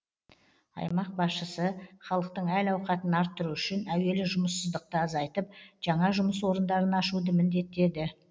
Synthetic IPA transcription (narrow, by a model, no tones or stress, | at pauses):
ɑ̰jmɑq̚bɑsʃəsəχɑlˠəq̚t̪əɴælɑwqɑt̪ənɑɾt̪ʰːʊɾuʏʃɪnæwe̞lɪʒʊməsːəzd̪əq̚t̪əɑzɑjt̪əp̚ʒ̥ɑɴɑʒʊməs̬wo̞ɾənd̪ɑɾənɑʃud̪əmɪnd̪e̞t̪ːe̞d̪ɪ